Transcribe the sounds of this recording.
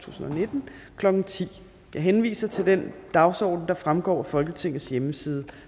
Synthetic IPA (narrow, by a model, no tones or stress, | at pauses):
t͡sʰṵːsn̩ɒne̝d̥n̩kʰlɒ̽ɡ̥n̩t͡sʰḭː | jɑ̈ɪɦenʋḭːsɐt͡sʰe̝ld̥end̥ɑ̈ʊsɒ̰ːd̥n̩d̥ɑ̈fʁamɡ̥ɒ̰ːfɒ̽lɡ̥ət͡sʰe̝ŋ̰ð̩ˠsjeməsiːð̞ˠə